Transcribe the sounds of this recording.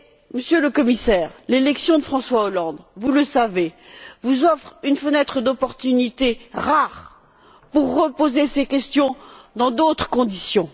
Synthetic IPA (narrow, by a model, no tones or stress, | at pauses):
məsjøləkɔmisɛːʁlelɛksjɔ̃d̪əfχɑ̃swaolɑ̃d̪vuləsavevuzɔfχynfənɛt̪χəd̪ɔpɔʁt̪ynit̪eʁaʁ | puʁːəpozesekʲɛst̪jɔ̃d̪ɑ̃d̪ot̪χə̥kɔ̃d̪isjɔ̃